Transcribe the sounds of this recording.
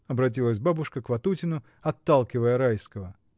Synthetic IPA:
ɐbɾɐt̬ʲilˠəs̬ʲbabʊʂkəkvɐt̪utʲɪnʊ | ɐt̪ːalˠkʲɪvəjəɾajskəvə

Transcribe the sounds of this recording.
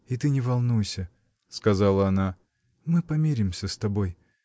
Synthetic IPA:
it̪ɨnʲɪvɐlˠnujsʲə | skɐzalˠəɐna | mɨpɐmʲeɾʲɪmsʲəst̪ɐbo̞j

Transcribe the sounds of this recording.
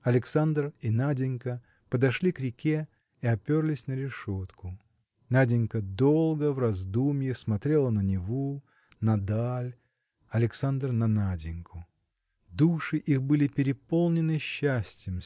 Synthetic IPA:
ɐlʲɪksand̪rinadʲɪnʲkə | pəd̪ɐʂlʲikɾʲɪkʲe | iɐpʲorlʲɪsʲnəɾʲɪʂot̪kʊ | nadʲɪnʲkəd̪olˠɡəvrɐzd̪umʲjɪsmɐt̪ɾʲe̞lˠənənʲɪvo | nɐd̪alʲ | ɐlʲɪksand̪rnɐnadʲɪnʲkʰʊ | d̪uʂɨʔixbɨlʲɪpʲɪɾʲɪpo̞lˠnʲɪnɨɕːæsʲtʲjɪm

